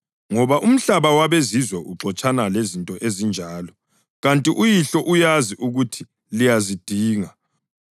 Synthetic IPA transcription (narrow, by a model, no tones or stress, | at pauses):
ŋɔβaʔum̩ɬaβawaβezizwɛʔuǁɔt͡ʃʼanalezintʼɔʔezind͡ʒʱaːlɔ | ɣantʼiʔujiɬɔʔujaziʔuɣutʰi | lijazid̥ʱiːŋa